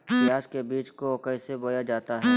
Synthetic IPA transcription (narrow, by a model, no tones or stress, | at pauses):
bɪjaːd͡ʒkebiːt͡ʃkokɛːseboːjad͡ʒaːt̪aɦɛː